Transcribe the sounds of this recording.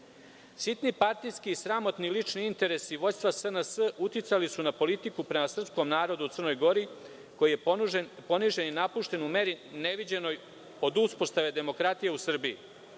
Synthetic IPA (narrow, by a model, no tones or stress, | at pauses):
sit̪nipaɾt̪ijskiːsɾamo̞t̪nilit͡ʂniint̪e̞ɾe̞siʋo̞st̪ʋasənəsəut̪jit̪salisunapo̞lit̪ikupɾe̞masr̩psko̞mnaːɾo̞d̪ut̪sərno̞jɡo̞ɾi | ko̞jiepo̞niʒe̞ninapuʃt̪e̞nume̞ɾine̞ʋid͡ʑe̞no̞j | o̞d̪uspost̪aʋe̞d̪e̞mo̞kɾat̪ije̞usr̩bii